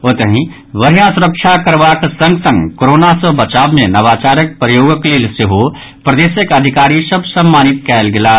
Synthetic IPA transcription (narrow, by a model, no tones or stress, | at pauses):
ot̪əɦĩ | ʋɐɾijãsʊɾəkʃʰakɐɾʋaksɐ̃ŋɡsɐ̃ŋɡkoɾoːnasəbɐt͡ʃaːbmẽnɐʋaːt͡ʃaːɾək̚pɾəjoːɡəklelseɦo | pɾɐd̪eːsəkɐd̪ʱɪkaːɾisɐbsɐmːaːnɪt̪kɛːlɡɪlaː